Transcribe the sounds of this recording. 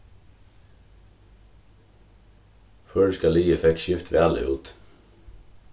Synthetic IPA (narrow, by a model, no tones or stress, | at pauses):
fœːɖʉskɑliːəfɛkʃʏft̪ʋæːlɪ̰ṵːt̪